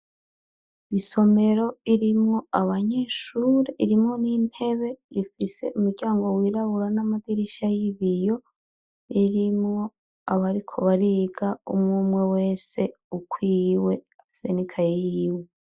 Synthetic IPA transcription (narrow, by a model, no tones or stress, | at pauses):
iso̞me̞ɾo̞iɾimŋo̞aβaɲe̞ʃuːɾeʔiɾimŋo̞nin̥e̞βe̞ifise̞ʔumuɾɟaːŋɡo̞wiːɾaβuɾanamaɡiɾiʃajiβijo̞ | iɾimŋo̞ | aβaɾikʰo̞βaɾiɡaumŋumŋe̞we̞ːse̞ | ukʰwiwe̞afi̥se̞nikʰajijiwe